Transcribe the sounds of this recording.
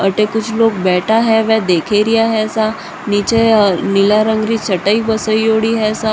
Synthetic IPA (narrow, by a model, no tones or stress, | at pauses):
əʈekut͡ʃʰlok̚bɛʈʰaɦɛʋɛd̪ekʰeɾiaɦɛsa | nit͡ɕenilaɾəŋɡɾiːt͡ɕʰəʈəibəsəijoɽiːɦɛsa